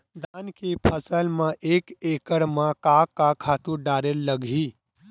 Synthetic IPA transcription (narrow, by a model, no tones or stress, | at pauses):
d̪ankipʰəsəlmeʔekekəɽmẽkakːakʰat̪uɖaɾelːəɡʱi